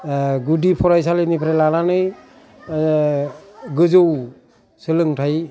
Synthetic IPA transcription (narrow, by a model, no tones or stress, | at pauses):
ɡudipʰɔɾajsalenipʰɾelananɯj | ɡɯzɯw | sɯlɯŋtʰaj